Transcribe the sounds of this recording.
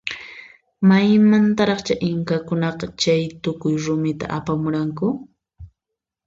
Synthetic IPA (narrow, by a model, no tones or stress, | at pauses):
majmant̪aɾɑχt͡ʃaʔɪŋkakʊnɑqɑt͡ʃajt̪ʊkʊjɾʊmɪt̪a̰ʔapamʊɾaŋkʊ